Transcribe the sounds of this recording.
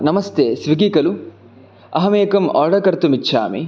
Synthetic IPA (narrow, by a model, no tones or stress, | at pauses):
nɐmɐst̪eːsʋiɡikɐlu | ɐɦɐmeːkɐmɔːɽɐkɐɾt̪umitːʃʰa̰ːmḭ